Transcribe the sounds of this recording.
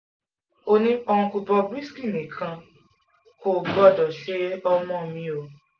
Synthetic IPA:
o˧nĩ˦ɔ˧ũ˧ku˧bɔ˧bɾi˦ski˦˨mĩ˨kʰã˧ | ko˦˨bɔ˦˨dɔ˨ʃe˨˦ɔ˧mɔ̃˦mĩ˧o˨

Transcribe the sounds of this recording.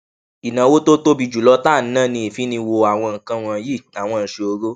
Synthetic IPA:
i˨nã˨˦wo˦to˦to˦bi˧d͡ʒu˨lɔ˦ta˦˨n̩˦nãː˦˨nĩ˧˦e˨fi˨˦nĩ˧wo˧a˨w̃ɔ̃˧ŋ̩˨kã˧w̃ɔ̃˧ji˦˨a˨w̃ɔ̃˧n̩˧ʃe˧o˧ɾo˦

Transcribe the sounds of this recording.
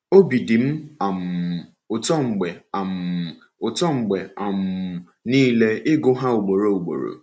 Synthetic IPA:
o˦bi˨di˨m̩˦a˨m̩˨ | ʊ˨tɔ˦ŋ͡m̩˨ɡ͡be˨a˨m̩˨ | ʊ˨tɔ˦ŋ͡m̩˨ɡ͡be˨a˨m̩˨ | niː˦le˦ɪ˦ɡʊ˦ɦa˦u˨ɡ͡bo˨ɾo˨u˨ɡ͡bo̰˨ɾo̰˨

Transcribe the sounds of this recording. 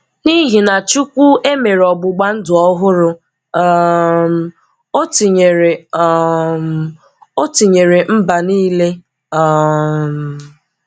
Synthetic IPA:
ni˦ɦi˨na˨t͡ʃu˦kʷu˦e˦me˨ɾɔ˨ɡ͡bʊ˨ɡ͡ba˦n̩˦dʊ˨ɔ˦ɦʊ˦ɾʊ˦ | m˨ | o˦ti˨ɲe˨ɾe˨˦ | m | o˦ti˨ɲe˨ɾe˨m̩˦ba˨niː˦le˦˨ | m˨

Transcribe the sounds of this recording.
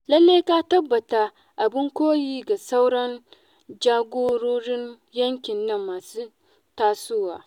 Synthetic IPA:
lɐ˦lːeː˦ka˦tɐ˦bːɐ˨ta˨ | ʔa˨bɪ˦ŋkʷoː˦jiː˦ɡa˨sa˦wɽɐ˦n | d͡ʒaː˦ɡʷoː˦ɽoː˦ɽɪ˦n | jɐ˦ŋkʲɪ˨nːɐ˦mːaː˨suː˦ | taː˦suː˦wa̰ː˨

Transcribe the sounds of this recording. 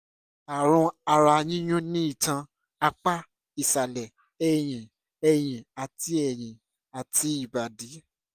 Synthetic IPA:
a˨ɾ̃ũ˧a˧ɾa˧ɲĩ˦j̃ũ˦nĩ˦i˦˨tã˧ | a˧k͡pa˦ | i˨sa˨lɛ˨ | ɛ˨j̃ĩ˨ | ɛ˨j̃ĩ˨a˨ti˨˦ɛ˨j̃ĩ˨ | a˨ti˨˦i˦˨ba˨di˨˦

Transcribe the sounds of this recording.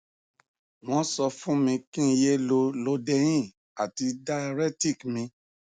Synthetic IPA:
w̃ɔ̃˧˦sɔ˧fũ˦mĩ˧kĩ˦˧je˦lo˧lo˧dɛ˧j̃ĩ˦˨ | a˨ti˧da˧ɾɛ˦ti˦˨kmĩ˧

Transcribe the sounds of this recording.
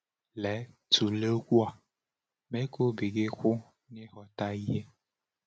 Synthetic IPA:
lɛ˨˦ | tʰu˨le˦o˦kʷu˦a˨ | me˦ko˦bi˨ɡe˦kʷʊ˦ | nɪ˦ɦɔ˨ta˦i˦ɦe˦

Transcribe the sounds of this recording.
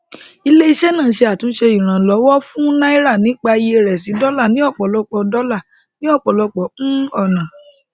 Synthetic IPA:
i˧le˦i˧ʃɛ˦nã˦˨˦ʃe˧a˨tũ˨˦ʃe˧ĩ˨ɾ̃ã˨lɔ˨˦wɔ˦fũ˦nã˦i˦ɾa˦˨nĩ˨˦k͡pa˧je˧ɾɛ˨s̬i˨˦dɔ˦la˦˨nĩ˨˦ɔ˦˨k͡pɔ˨lɔ˧k͡pɔ˨dɔ˦la˦˨ | nĩ˦ɔ˦˨k͡pɔ˨lɔ˧k͡pɔ˨˦ɔ˦˨nã˨

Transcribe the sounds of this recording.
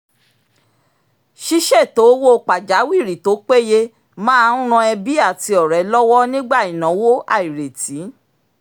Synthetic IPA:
ʃi˦ʃɛ˦˨to˨˦wo˦˨k͡pa˨d͡ʒa˨˦wi˦˨ɾi˨to˨˦k͡pe˦je˦ | mãː˦ũ˦ɾ̃ã˧ɛ˧bi˦a˦˨ti˧ɔ˨ɾɛ˨˦lɔ˦wɔ˦nĩ˦ɡ͡ba˦˨i˨nã˨˦wo˦a̰˦˨i˨ɾe˨ti˨˦

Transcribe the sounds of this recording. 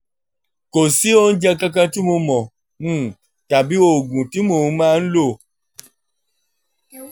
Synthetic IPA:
ko˨si˦o˦˧n̩˦d͡ʒɛ˧kã˦k̬ã˧ti˦mo˧mɔ̃˨ | m̩̃˦˨ | ta˨bi˨˦o˦˨ɡũ˨ti˨˦mo˨˦mãː˦˧n̩˦lo˦˨

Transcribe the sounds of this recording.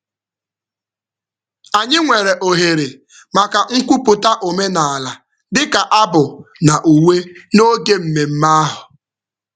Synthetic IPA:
a˨ɲɪ˦ŋʷe˨ɾe˨ʔo˨ɦe˨ɾe˨ | ma˨ka˨ŋ̩˦kʷu˦pʊ˨ta˦ʔo˨me˦na˨a˨la˨ | dɪ˦ka˨ʔa˦bʊ˨na˨ʔu˨we˦no˦ɡe˦m̩˨me˨m̩˦ma˦a˦ɦʊ˨

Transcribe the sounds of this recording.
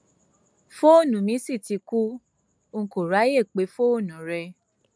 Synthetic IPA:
fo˦o˦˨nũ˨mĩ˨˦si˦˨ti˨˧ku˦ | ŋ̩˨ko˨ɾa˨˦je˦˨k͡pe˨˦fo˦o˦˨nũ˨ɾɛ˧

